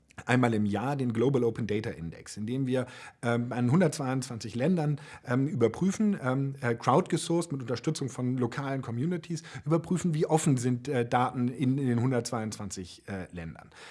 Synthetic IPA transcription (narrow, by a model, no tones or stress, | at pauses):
ʔaɪ̃nmaːlɪmjaːɐdeːnɡloːblʔoʊpʰən̩dɛɪtaʔɪ̰ndɛ̰ksɪndeːmviːɐʔɛːbanɦʊndɐt̚t͡sv̥aɪʊnt͡sv̥ant͡sɪçlɛndɐnʔɛːmʔyːbɐpʁ̥yːfn̩ɛːmɛkʁ̥aʊtɡ̥əsʊɐsmɪtʊntɐʃtʏt͡sʊŋfɔnlokʰaːlənkʰɔmjuːnɪtʰisʔyːbɐpʁ̥yːfn̩viːʔɔfn̩zɪntɛːd̥aːtn̩ɪndeːnhʊndɐt̚t͡sv̥aɪʊnt͡sv̥ant͡sɪçɛːlɛndɐ̰n